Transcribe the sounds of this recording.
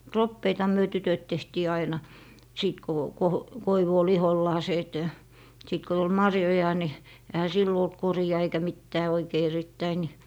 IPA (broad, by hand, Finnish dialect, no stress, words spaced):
ropːeitɑhɑ myø tytøt tehtiː ɑinɑ siˑt ko ko koiʋu ol iholːɑːseː et siˑt ko tul mɑrjojɑ ni ehæ silːo olt koriɑ eikæ mitːæː oikei eritːæi ni